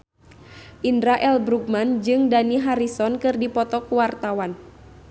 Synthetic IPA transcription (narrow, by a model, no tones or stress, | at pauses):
ʔindɾaʔɛlbɾuɡ̚mand͡ʒɨŋdaniɦaɾisɔnkɨrdipɔt̪ɔkuwart̪awan